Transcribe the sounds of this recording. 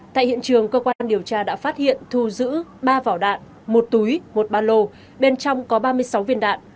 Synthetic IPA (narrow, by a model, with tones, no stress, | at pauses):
t̪a̰ː˧˨jhḭ˧˨ənt͡ɕɨ˨˩əŋkəː˧kwaː˧nɗi˨˩əwt͡ɕaː˧ɗa̰ː˧˥faː˦˥t̚hḭ˧˨ənt̪ʰu˧zɨ̰˧˥ɓaː˧vaː˧˩wɗa̰ː˧˨n | mo˨˩t̚t̪u˨˦jmo˨˩t̚ɓaː˧lo˧ | ɓe˧nt͡ɕɔ˧wŋ͡mkɔ˨˦ɓaː˧mɨ˧əjsa˨˦wvi˧ənɗa̰ː˧˨n